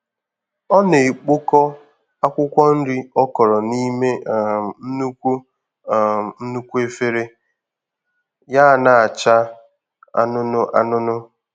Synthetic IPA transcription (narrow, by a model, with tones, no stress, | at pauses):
ɔ˦ne˨k͡po˦kɔ˦ | a˦kʷʊ˦kʷɔ˦n̩˦dɪ˦ɔ˦kɔ˨ɾɔ˨ni˦me˦˨n̩˦nu˦kʷu˦˨ | n̩˦nu˦kʷu˦e˦fe˦ɾe˦ | ja˦˨na˨a˨t͡ʃa˦ | a̰˦nʊ˦nʊ˦ʔa̰˦nʊ˦nʊ˦